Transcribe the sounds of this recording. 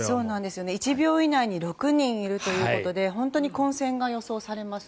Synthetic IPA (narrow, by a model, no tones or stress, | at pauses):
so̞ːnãnd̪e̞sɨjo̞neit͡ɕibʲo̞ːinaiɲ̟iɾo̞kɯ̟ɲ̟ĩɰ̃iɾɯ̟t̪o̞jɯ̟ːkko̞t̪o̞d̪e̞ɦõ̞nt̪o̞ɲ̟ikõ̞ɰ̃sẽ̞ŋɡajo̞so̞ːsaɾe̞masɨ̥